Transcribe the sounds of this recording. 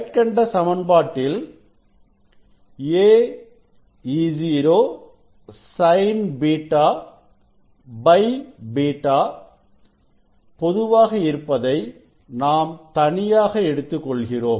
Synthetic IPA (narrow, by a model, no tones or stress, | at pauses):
ʈkɐɳɖɐsɐmɐnbaːʈːɪl | eː | iːd͡ʒiːɾoː | sɐɪnbiːʈːaː | bɐɪbiːʈːaː | pɔðɯʋaːɣɐɪɾɯpːɐðɐɪ | naːmt̪ɐɳɪjaːɣɐɛɽɯt̪ːɯkːɔɭɣɪroːm